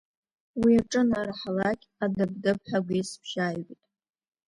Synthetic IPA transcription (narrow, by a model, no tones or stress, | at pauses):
wiaʈ͡ʂʼɨnaɾaħalakʲʼadɨbdɨpħʷᶣaɡʷejsbʰʒ̥aːjwʷitʼ